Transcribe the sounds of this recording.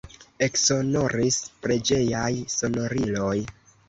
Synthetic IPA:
e̞kso̞no̞ɾispɾe̞d͡ʒe̞jajso̞no̞ɾilo̞j

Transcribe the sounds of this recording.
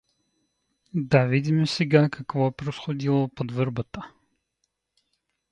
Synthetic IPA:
d̪avid̪ʲimɛsɛɡakɐkvɔɛpɾosxod̪ilˠopod̪vɤɾbət̪ə

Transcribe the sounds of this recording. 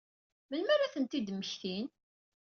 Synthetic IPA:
mənmæɾaθənt̪id̪məçθin

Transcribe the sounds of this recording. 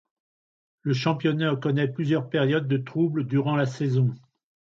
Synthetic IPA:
ləʃɑ̃pjɔnaəkɔnɛplyzjœʁpɛʁjɔd̪̚ːət̪χubləd̪yʁɑ̃lasɛzɔ̃

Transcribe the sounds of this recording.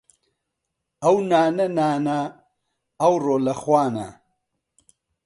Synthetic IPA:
ɐwnaːnɐnaːna | ɐwroːlɐxwaːnɐ̰

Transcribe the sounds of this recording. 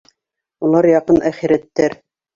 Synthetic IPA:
ulˠɑɾjɑqɤnæχiɾæt̪ːæɾ

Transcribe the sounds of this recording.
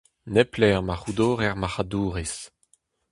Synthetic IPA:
nɛplɛʁmaχud̪oːʁɛʁmaχaduːʁis

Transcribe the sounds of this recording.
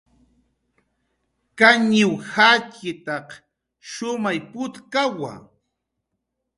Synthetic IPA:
kaɲɲɪwhat͡ʃɪt̪ɑq | ʃʊmajpʊt̪kawa̰

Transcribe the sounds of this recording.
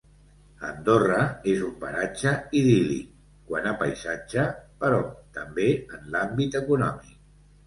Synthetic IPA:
ə̰nd̪orəezumpə̰ɾat͡ʃəiðilḭ | kwanapə̰jzad͡ʒəpəɾɔt̪əmbeənlambit̪əkunɔmik̚

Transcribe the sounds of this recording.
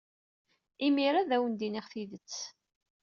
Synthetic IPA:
imiɾaðæwənd̪iniʁθiðət͡sː

